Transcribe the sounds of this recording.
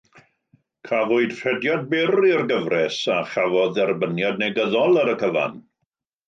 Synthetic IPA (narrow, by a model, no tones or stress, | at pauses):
kʰavʊɨd̥r̥ɛdjad̚bɛriərɡəvrɛsaχavɔðɛrbənjadneɡəðɔlˠəɾəkʰəva̰n